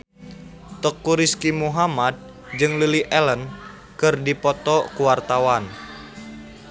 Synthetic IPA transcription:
t̪əkuɾiskimuɦamad̪̚ | d͡ʒɨŋluliʔɛlən | kɨrdipɔt̪ɔkuwart̪awan

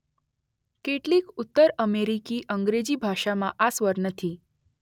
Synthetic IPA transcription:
keʈlikut̪ːəɾəmeɾikiʔəŋɡɾed͡ʑibʱaʃamãʔasʋəɾnət̪ʰi

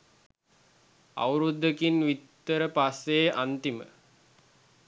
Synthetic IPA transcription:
a̰wɾud̪ːəkinʋit̪ːəɾəpasːeːʔant̪imə̰

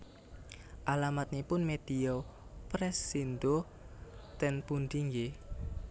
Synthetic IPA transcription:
ʔalamat̪̚nipʊnmed̪̥iopɾɛsːind̪o | t̪ɛnpund̪iŋe

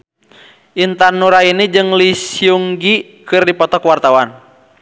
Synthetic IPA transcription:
ʔint̪anːuɾainid͡ʒɨŋlisiuŋɡi | kɨrdipɔt̪ɔkwart̪awan

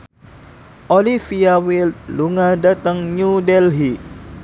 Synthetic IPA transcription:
ʔolifiawilt̪̚luŋadat̪aŋɲudɛlɦiʔ

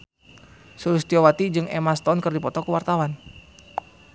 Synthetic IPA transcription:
suɾust̪iowat̪id͡ʒɨŋɛ̰mast̪ɔnkɨrdipɔt̪ɔkuwart̪awan

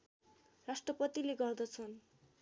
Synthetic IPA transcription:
rasʈrʌpʌt̪ileɡʌrd̪ʌt͡sʰʌn

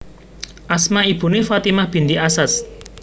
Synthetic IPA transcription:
ʔasmaib̥ṳnefat̪imahb̥i̤nd̪iʔasas

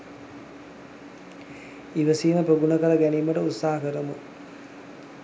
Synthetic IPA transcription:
iʋəsiːnəpɾoɡunɐkɐlɐɡæniːməʈəut̪saːɐkəɾəmu

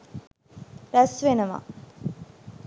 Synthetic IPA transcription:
ɾɐsʋenɐma̰

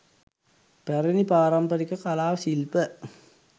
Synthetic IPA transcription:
pɐɾinipaːɾɐmbɐɾikːɐkɐlaːʋsilpɐ

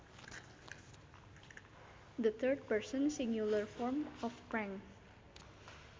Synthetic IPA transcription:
d̪ət̪ʰərd̚pəɹsɔ̃nsiŋjuləɹfɔɹmɔfpɹɛ̃ŋ

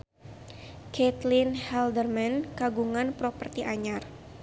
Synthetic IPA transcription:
kɛt̪linhɛldərmɛnkaɡuŋanpɾɔpərt̪iʔaɲar

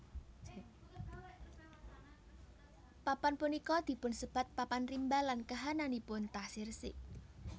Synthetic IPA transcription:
papanpunikɔd̪̥i̤pʊnsəb̥a̤t̪̚papanrimbalankaɦananipʊnt̪asɪrsɪ̰ʔ

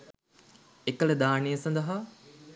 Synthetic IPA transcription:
ekələd̪aːnejəsɐnd̪əɦa

